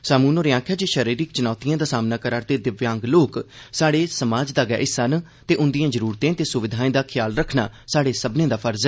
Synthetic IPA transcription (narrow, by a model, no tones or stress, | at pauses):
saːmuːnoːɾɪãːkʰjaːd͡ʒeːʃəɾiːɾɪkt͡ʃʊnaːt̪ijãːd̪aːsaːmnaːkəɾaːɾt̪eːd̪ɪʋjãːŋɡloːksaːɽeːsəmaːd͡ʒd̪aːɡɛ̰ːʔɪsən | t̪eːʔʊnd̪ijãːd͡ʒəɾuːɾt̪ẽːt̪eːsʊʋɪd̪ʱaːẽːd̪aːkʰɪjaːlɾəkʰna̰ːsaːɽeːsəbnẽːd̪aːpʰəɾzɛ